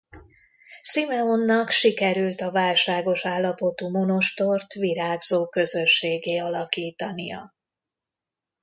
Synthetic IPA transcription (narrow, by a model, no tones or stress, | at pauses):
simɛonːɒkʃikɛɾylt̪ɒvaːlʃaːɡo̞ʃaːlːɒpo̞t̪uːmo̞no̞ʃt̪o̞rt̪ʋiɾaːɡzoːkø̞zø̞ʃːeːɡeːɒlɒkiːt̪ɒnijɒ̰